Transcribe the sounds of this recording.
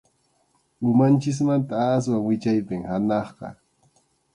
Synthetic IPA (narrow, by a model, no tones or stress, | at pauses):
ʊmant͡ʃɪs̬mant̪aːs̬waŋwɪt͡ʃajpɪŋhanɑχqɑ̰